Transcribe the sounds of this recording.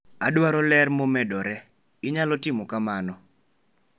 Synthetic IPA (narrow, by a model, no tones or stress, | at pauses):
adwaɾɔlɛrmomɛdɔɾɛ | ɪɲalɔtɪmɔkamanɔ